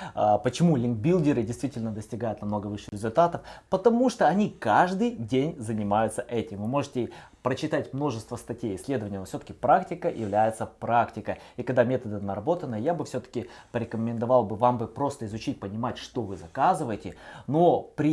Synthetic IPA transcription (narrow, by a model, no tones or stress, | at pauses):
əpət͡ɕɪmulʲɪnk̚bʲilˠdʲɪɾɨdʲɪjst̪vʲitʲɪlʲnəd̪əsʲtʲɪɡajʊt̪nɐmnoɡəvɨʂɨɾʲɪzʊlʲt̪at̪əfpət̪ɐmuʂt̪oɐnʲikaʐd̪ɨjdʲenʲzənʲɪmajʊt̪səʔɛtʲɪmvɨmo̞ʐɨtʲɪ | pɾət͡ɕɪt̪atʲmno̞ʐɨst̪vəst̪ɐtʲejɪsʲlʲe̞d̪əvənʲɪjənofsʲot̪ə̥kʲɪpɾaktʲɪkəjɪ̰vlʲæjɪt̪səpɾaktʲɪkəikɐɡd̪amʲe̞t̪əd̪ɨnəɾɐbo̞t̪ənːəjabɨfsʲot̪ə̥kʲɪpəɾʲɪkəmʲɪnd̪ɐvɑlˠbɨvambɨpɾo̞st̪əɪzʊt͡ɕit̚ʲpənʲɪmatʲʂt̪o̞vɨzɐkazɨvəjɪtʲɪnopɾʲɪ